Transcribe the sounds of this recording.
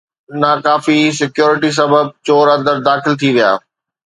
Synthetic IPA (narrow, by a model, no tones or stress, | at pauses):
naːkaːfisɪkjoːɾɪʈis̬ɐbəb̚t͡ɕoːɾɐ̃nd̪əɾd̪aːxɪlt̪ʰiʋija̰ː